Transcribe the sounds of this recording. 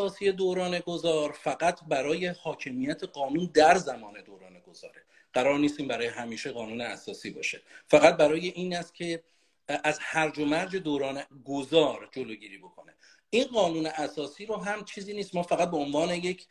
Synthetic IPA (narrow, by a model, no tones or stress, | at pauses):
ɒːsije̞d̪oːɾɒːne̞ɡozɒːɾfæɡæt̪ʰbæɾɒːje̞hɒːcʰe̞miːjæt̪ʰe̞ɢɒːnuːnd̪æɾzæmɒːne̞d̪oːɾɒ̰ːne̞ɡ̥oz̥ɒ̰ːɾe̞ | ɢ̥æɾɒːɾniːst̪iːmbæɾɒːjeɦæmiːʃeɣɒːnuːneæ̰sɒːsiːbɒ̰ːʃe̞fæɣæt̪̚bæɾɒːje̞ʔiːnæst̪̚cʲʰe̞ | ʔæzhæɾd͡ʒomæɾd͡ʒe̞d̪oːɾɒːneɡozɒːɾd͡ʒoloːɟiːɾiːbo̞kʰo̞ne̞ | ʔiːnɢɒːnuːneʔæsɒːsiːɾoɦæmt͡ʃʰiːziːniːst̪mɒːfæɣæt̪̚beonvɒːne̞jecʰ